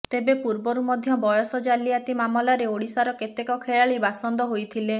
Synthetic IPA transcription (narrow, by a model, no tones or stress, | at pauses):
t̪ebepuɾbɔɾumɔd̪ʱjɔbɔjɔsɔd͡ʒaliat̪imamɔlaɾeoɽisaɾɔket̪ekɔkʰeɭaɭibasɔnd̪ɔɦojt̪ʰile